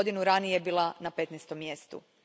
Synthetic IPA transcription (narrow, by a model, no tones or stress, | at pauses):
d̪inuɾanijebiːlˠanape̞t̪nɛst̪o̞mːje̞st̪ṵ